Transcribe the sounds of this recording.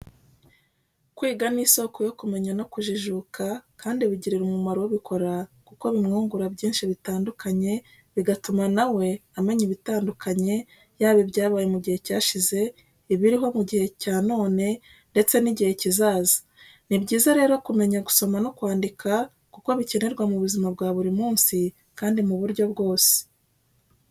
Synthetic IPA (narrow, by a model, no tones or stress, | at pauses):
kwiːɡaniːso̞ko̞jo̞kume̞ɲano̞kuʒiʒuːkakʰaːndiβiɟiɾeɾumumaɾoweβikʰo̞ɾakuko̞βimŋuːŋɡuɾabɟiːnʃiβitaːndukʰaɲe̞ | βiɡatumanawe̞ame̞ɲiβitaːndukʰaɲe̞ | jaːβibɟaːβaːje̞muɟihe̞caːʃize̞ | iβiɾiɦo̞muɟihe̞caːno̞ːne̞ | nde̞t͡se̞niɟihe̞cizaːzḁ | nibɟiːzaɾe̞ːɾo̞kume̞ɲaɡu̥so̞manokwaːndikʰa | kuko̞βice̞ne̞ɾɡwamuβuzimab̚ɡwaːβuɾimuːnsi | kaːndimuβuɾɟo̞bɡo̞ːse̥